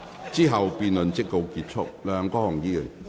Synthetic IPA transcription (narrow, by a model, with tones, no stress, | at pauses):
t͡siː˥ɦɐ˨wpiː˨nlɵ˨nt͡sɪ˥k̚ːo˧wkiː˧t̚t͡sʰʊ˥k̚lœː˨˧ŋkɔː˥hʊ˨˩ŋjiː˧˥jə˨˩n